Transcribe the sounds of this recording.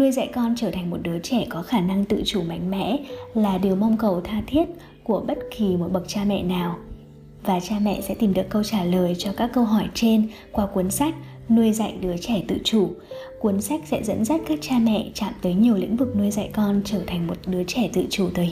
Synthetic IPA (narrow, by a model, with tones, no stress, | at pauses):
nu˧əjza̰˧˨jkɔ˧nt͡ɕəː˧˩t̪ʰa˨˩ŋmo˨˩t̚ɗɨ˨˦ət͡ɕɛ˧˩kɔ˨˦xaː˧˩na˧ŋt̪ɨ̰˧˨t͡ɕu˧˩ma̰˧˨˩jŋ̟mɛ̰˧˥laː˨˩ɗɨ˨˩əma˧wŋ͡mkə˨˩wt̪ʰaː˧t̪ʰi˦˥ət̚ | ku˧˩əɓə˦˥t̚ki˨˩mo˨˩t̚ɓə˨˩k̚t͡ɕaː˧mɛ̰˧˨naː˨˩w | vaː˨˩t͡ɕaː˧mɛ̰˧˨sɛ̰˧˥t̪i˨˩mɗɨ˨˩əkːə˧wt͡ɕaː˧˩ləː˨˩jt͡ɕɔ˧kaː˦˥kːə˧wɦɔ˧˩jt͡ɕe˧n | kwaː˧kwu˨˦ənsa˦˥jk̟̚ | nu˧əjza̰˧˨jɗɨ˨˦ət͡ɕɛ˧˩t̪ɨ̰˧˨t͡ɕu˧˩ | kwu˨˦nsa˦˥jk̟̚sɛ̰˧˥zə̰˧˥nza˦˥t̚kaː˦˥k̚t͡ɕaː˧mɛ̰˧˨t͡ɕa̰ː˧˨mt̪əː˨˦jɲi˨˩əwlḭ˧˥ŋ̟vɨ˨˩k̚nu˧əjza̰˧˨jkɔ˧nt͡ɕəː˧˩t̪ʰa˨˩ŋ̟mo˨˩t̚ɗɨ˨˦t͡ɕɛ˧˩t̪ɨ̰˧˨t͡ɕu˧˩t̪ʰəː˨˦